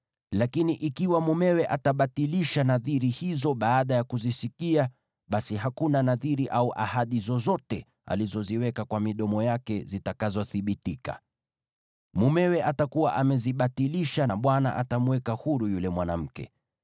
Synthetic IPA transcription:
lakiniʔikiwamumɛwɛʔataɓatiliʃanaðiɾihizɔɓaːɗajakuzisikia | ɓasiɦakunanaðiɾiʔauʔa̰haɗizɔzɔtɛ | a̰lizɔziwɛkakwamiɗɔmɔjakɛzitakazɔθiɓitika̰ | mumɛwɛʔatakuwa̰ʔamɛziɓatiliʃaɓwana̰ʔatamuwɛkahuɾujulɛmwanam̩kɛ̰

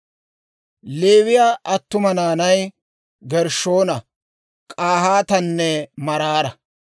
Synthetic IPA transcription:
le̞ːwɪjaːʔɐt̪ːʊmɐnaːnɐj | ɡɛɾʃo̞ːnɐ | kʼaːhaːt̪ɐnːɛmɐɾaːɾɐ

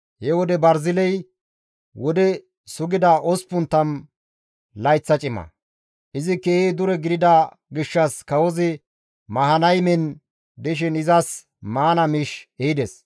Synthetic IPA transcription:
hɛwɔd̪ɛbɐɾzɪlɛj | wɔd̪ɛ | sʊɡɪd̪ɐʔɔspʊnt̪ːɐn | lɐjt͡sːɐt͡ʃʼɪmɐ̰ | ʔɪzɪkːeːid̪ʊɾɛɡɪd̪ɪd̪ɐ | ɡɪʃːɐskɐwɔzɪ | mɐɦɐnɐjmɛn | d̪ɛʃ̬ɪnɪzɐs | maːnɐmɪʃeɪd̪ɛs

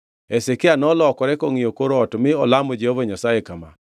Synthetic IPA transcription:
esekɪanɔlɔkɔɾɛkɔŋɪjokoɾɔtmɪɔlamɔd͡ʒehovoɲasajekama̰

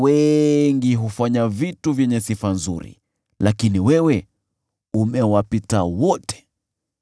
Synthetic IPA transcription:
wɛŋɡiɦufaɲavituvjɛɲɛsifanzṵɾḭ | lakiniwɛwɛ | umɛwapitawɔtɛ̥

